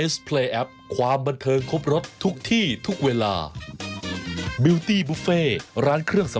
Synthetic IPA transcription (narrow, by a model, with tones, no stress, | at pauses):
e˦˥spʰleː˧ʔɛ˦˥p̚kʰwaː˧mba˧nt̪ʰɤː˧ŋkʰo˦˥p̚ɾo˦˥p̪̚t̪ʰu˦˥k̚t̪ʰiː˥˩t̪ʰu˦˥k̚weː˧la̰ː˧ | bi˧wt̪iː˥˩buː˦˥feː˥˩ɾaː˦˥nkʰɾɯ˥˩əŋsa˨˦